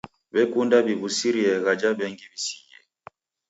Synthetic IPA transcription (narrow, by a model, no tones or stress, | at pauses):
bɛkundabiβusiɾiɛɣad͡ʒabɛŋɡibisiɛ̰